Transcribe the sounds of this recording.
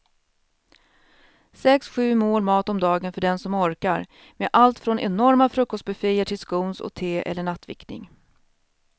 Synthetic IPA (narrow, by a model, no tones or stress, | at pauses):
sɛksɧʉ̟ːmoːlmɑːt̪ɔmd̪ɑːɡənfœɖɛnsɔmɔɾkaɾ | meʔalt̪fɾɔnʔɛnɔɾmafɾɵkːɔst̪̚bɛfijəʈʰɪlskuːnsɔ̰t̪ʰeːʔɛ̰lːəɳat̪ːvɪ̰knɪ̰ŋ